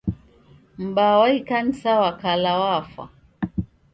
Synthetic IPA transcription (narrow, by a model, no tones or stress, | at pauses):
m̩bawaikan̩sawakalawafa̰